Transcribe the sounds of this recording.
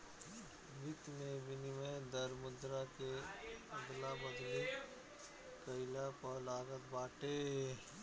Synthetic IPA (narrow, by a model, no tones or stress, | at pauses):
ʋɪt̪mẽbɪnimẽd̪ɐɾmʊd̪ɾakeɐd̪labɐd̪li | kɐɪlapɔːlaːɡət̪baːʈeː